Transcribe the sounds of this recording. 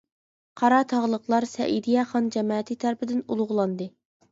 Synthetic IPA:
qʰɑɾɑt̪ʰɑʁlˠəqlˠɑɾsɛ̰ʔid̪ijɛχɑnd͡ʒɛmɑːt̪ʰit̪ʰæɾpɪd̪ɪnulˠʁlˠɑnd̪ɨ

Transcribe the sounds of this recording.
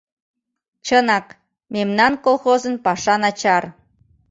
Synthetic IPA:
t͡ɕənɑk | memnɑnkolˠxozənpɑʃɑnɑt͡ɕɑr

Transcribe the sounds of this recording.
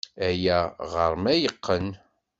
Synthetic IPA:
æjæʁəɾˤmæjəqʰːən

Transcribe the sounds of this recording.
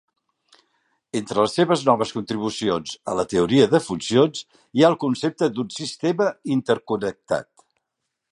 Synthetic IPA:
ent̪ɾələsːeβ̞əznɔβəskunt̪ɾiβ̞usionzələt̪əuɾiəðəfunsionz | iaəlˠkunsep̚t̪əd̪unsist̪eməint̪əɾkunək̚t̪a̰t̪

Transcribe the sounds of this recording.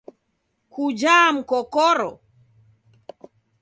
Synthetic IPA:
kud͡ʒam̩kɔkɔɾɔ

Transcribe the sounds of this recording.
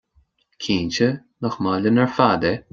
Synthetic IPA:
kʰiːnt͡ʃə | nɔxmaːlʲənɛɹfaːd̪ɛ

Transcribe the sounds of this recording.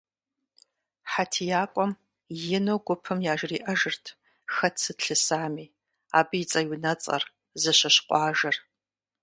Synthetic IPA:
ħatʰijaːkʷʼɔm | jɪnowɡʷʊpʰɨmjaːʒriːʔɐʒɨrtʰ | xɐtʰsɨtɬɨsaːmiː | aːbɨjit͡sʼɐjwinɐt͡sʼɐ̰r | zɨɕɐɕqʷʼɑːʒɐr

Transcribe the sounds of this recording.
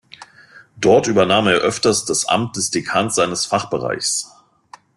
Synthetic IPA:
d̥ɔɐtʔyːbɐnaːmeːɐʔœftɐstd̥asʔa̰mt̚d̥ɛsd̥ekʰaːnz̥aɪnəsfaχb̥əʁa̰ɪçs

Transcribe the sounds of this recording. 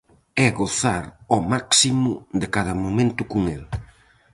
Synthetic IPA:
ɛɣoθaɾɔmaksimʊðɪkaðɐmomẽnt̪ʊkʊŋel

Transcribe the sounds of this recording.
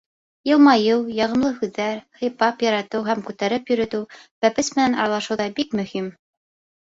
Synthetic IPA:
jɤ̆lˠmɑjɤwjɑʁɤ̆mlˠɤhʉðːæɾhɤ̆jpɑpjɑɾɑt̪ɤwɦæmkʉt̪æɾɘpjɵ̆ɾɵ̆t̪ɘwbæpɘsmɘ̆nænɑɾɑlˠɑʃɤwðɑbikmɵ̆him

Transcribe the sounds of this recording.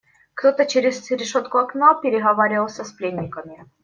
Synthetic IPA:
kt̪ot̪ət͡ɕeɾʲɪsɾʲɪʂot̪kʊɐknopʲɪɾʲɪɣɐvaɾʲɪvəlˠsʲəsplʲenʲːɪkəmʲɪ

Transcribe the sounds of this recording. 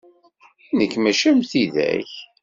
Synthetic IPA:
nəkːmæʃæmθiðæ̰ç

